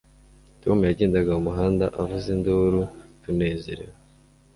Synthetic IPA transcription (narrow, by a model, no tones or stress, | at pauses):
to̞mujaɟeːndaɡaumuɦaːndaʔavuzinduɾutune̞ːze̞̰ɾḛwa